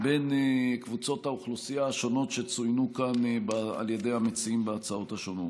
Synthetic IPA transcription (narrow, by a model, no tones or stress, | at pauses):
be̞nkvut͡so̞t̪hauχlusijaʃo̞no̞tʃe̞t͡sujnukanbaa̰lje̞d̪ejhamet͡siimbeat͡sao̞t̪haʃo̞no̞t